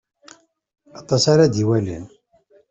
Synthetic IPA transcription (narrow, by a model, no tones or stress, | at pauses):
ɑt̪ˤɑsaɾad̪iwælḭn